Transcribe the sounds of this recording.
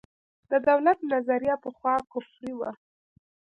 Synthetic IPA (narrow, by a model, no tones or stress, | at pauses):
d̪̥əd̪awlat̪̚nazaɾijɑpəxwɑkʊfɾiwa